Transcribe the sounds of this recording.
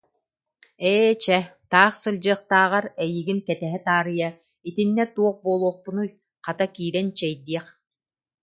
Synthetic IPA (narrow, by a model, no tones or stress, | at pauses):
ɛːt͡ɕɛt̪aːχsɯlʲd͡ʑɯːχt̪aːʁaɾɛjiɡinkɛt̪ɛɦɛt̪aːɾɯja | it̪inːɛt̪uɔχbuːlˠuɔχpunuj | qat̪akiːɾɛnt͡ɕɛjd̪iɛχ